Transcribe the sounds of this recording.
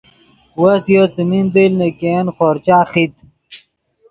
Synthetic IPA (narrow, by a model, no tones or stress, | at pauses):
wɐsjosimind̪ilnekenxoːɾt͡ɕaːxit̪